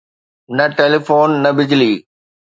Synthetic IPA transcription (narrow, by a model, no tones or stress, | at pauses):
nɐʈeːlifoːnːɐbɪd͡ʑliː